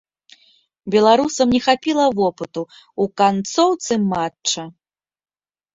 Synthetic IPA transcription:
bʲɛlˠaɾusɐmnʲɛxapʲilˠɐvɔpɨt̪u | ukant̪sɔwt̪sɨmatt͡ʂt͡ʂɐ

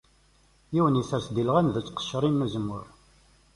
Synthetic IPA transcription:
jiwənisæɾsd̪ilʁænðət͡sːqə̥ʃːɾˤinːæzəmːʊɾ

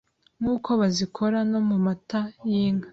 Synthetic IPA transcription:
ŋuːkʰo̞βazikʰo̞ɾano̞mumatajiːŋa

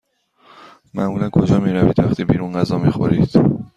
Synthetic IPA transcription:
mæ̰muːlænkʰo̞d͡ʒɒːmiːɾæviːd̪væxt̪ʰiːbiːɾunɢæzɒːmiːxo̰ɾid̪̥

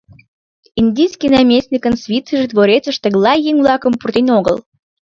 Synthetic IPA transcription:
inʲd̪ʲijskijnɑmʲesʲnʲikənsvʲit͡səʒed̪βoɾet͡səʃt̪ə̆ɣlɑjjeŋʲvlɑkəmpurt̪enoɣə̰l

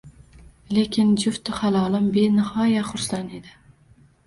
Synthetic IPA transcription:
le̞kʲʰɪnd͡ʒʊft̪ʊhalˠɒlˠɪmbenɪhɒjaχʊɾsaned̪ɪ

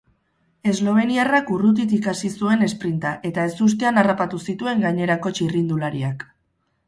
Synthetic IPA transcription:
e̞zlo̞β̞e̞niarakurut̪̬it̪ikasisue̞ne̞spɾint̪aʔe̞t̪ae̞sus̬t̪e̞anarapat̪usit̪ue̞ŋɡaɲe̞ɾako̞t͡ʃirind̪ulaɾiak

